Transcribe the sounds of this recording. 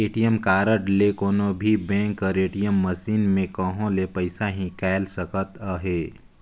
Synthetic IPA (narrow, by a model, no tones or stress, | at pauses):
eːʈijəmkaːɾəʈlekoːnobʱibɛ̃ːŋkɔɾeːʈijəmːɐsiːnmẽkə̃ɦõlepɐɪsaɦĩkɛːlsəkət̪əɦeː